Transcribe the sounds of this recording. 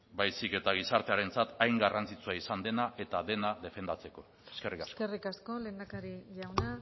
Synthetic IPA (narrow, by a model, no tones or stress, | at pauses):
bajsike̞t̪aɣ̞isaɾt̪e̞aɾe̞nt͡sat̪ajŋɡarant͡sit͡suaisand̪e̞naʔe̞t̪aðe̞naðe̞fe̞nd̪at͡se̞ko̞ | e̥skerikaskoerikasko̞leːnd̪akaɾiʎawna